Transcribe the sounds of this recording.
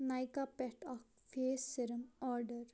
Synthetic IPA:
najkapɛʈɔk | feːseɾəmɔɾɖəɾ

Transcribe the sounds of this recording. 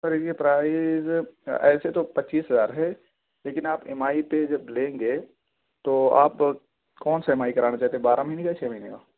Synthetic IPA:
sɐɾeepɾaːɪzɛ̰ːset̪opɐtːt͡ʃːiːsɦɐzaːɾɦɛ | leːkɪnaːpɪmaːiped͡ʒɐblẽːŋɡe | t̪oa̰ːp | kɔːnsaɪmaːikɐɾaːnat͡ʃaːɦt̪ebaːɾamɐinekat͡ʃʰɛːmɐinekaː

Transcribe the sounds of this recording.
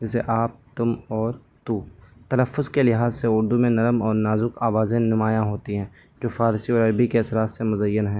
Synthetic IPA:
d͡ʒɪseʔaːp̚t̪ʊmɔːɾ | t̪ut̪ɐləfːʊzkelɪɦaːzseʊɾd̪umẽnɐɾəmɔːɾnaːzʊkaːʋaːzẽnɪmaːjãɦoːt̪iɦɛ̃ː | d͡ʒoːfaːɾsiɔːɾɐɾbikeɐsɾaːt̪semʊzəjːənɦɛ̃ː

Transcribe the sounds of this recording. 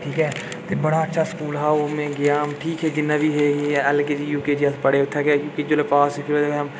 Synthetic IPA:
ʈʰiːkɦɛː | t̪eːbəɽaːətːʃʰaːskuːlɦaːomẽːɡɪjaːɦmʈʰiːkɦɛːd͡ʒɪnːãːbʱiːɦeːɡiɛlkeːd͡ʒiːjuːkeːd͡ʒiːəlpəɽeːʊt̪ʰːeːkekjõːkid͡ʒoːlepaːsipʰɪɾot̪eɦəm

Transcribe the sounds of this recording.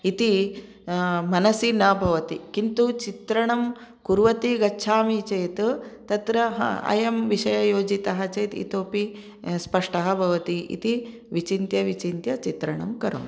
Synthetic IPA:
it̪i | mɐnɐsinɐbʱɐʋɐt̪ikint̪ut͡ʃit̪ɾɐɳɐm | kuɾʋɐt̪iɡɐtːʃʰaːmit͡ʃɐjt̪t̪ɐt̪ɾɐɦɐ̰ɐ̰jɐmʋiʃɐjɐjoːd͡ʒit̪ɐɦɐt͡ʃeːt̪ḭt̪oːpi | spɐʂʈɐɦɐbʱɐʋɐt̪iʔḭt̪i | ʋit͡ʃint̪jɐʋit͡ʃint̪jɐt͡ʃit̪ɾɐɳɐ̰mkɐɾo̰ːn

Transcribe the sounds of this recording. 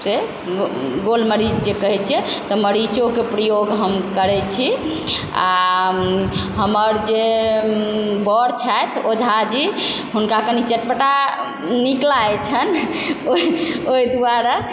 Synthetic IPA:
se | ɡolməɾid͡ʒd͡ʒekəɦɛt͡ʃʰɛt̪ɔməɾit͡ʃokepɾəjoɡɦəmkəɾɛt͡ʃʰi | a̰ | ɦəməɾd͡ʒe | bəɾt͡ʃʰat̪od͡ʒʱad͡ʒi | ɦunkakənit͡ʃeʈpəʈa | niklajt͡ʃʰənooid̪uaɾa

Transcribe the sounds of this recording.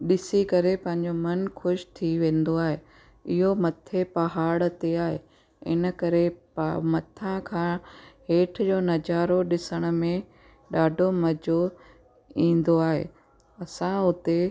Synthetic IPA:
ɗɪsikɐɾepɐ̃ɦɪ̃ɲ̆d͡ʑomɐnkʰʊʃt̪ʰiʋẽːn̆d̪oaːɦeː | ɪɦomɐt̪ʰepɐɦaːɽ̆t̪eaːɦe | ɪ̰nə̆kɐɾepmɐt̪ʰãkʰãːɦeːʈʰd͡ʑoːnɐd͡ʑaːɾoɗɪsəɽ̃ʊ̆mẽ | ɗaːɖʱomɐd͡ʑo | ĩːn̆d̪oaːɦḛː | ɐsãʊt̪e

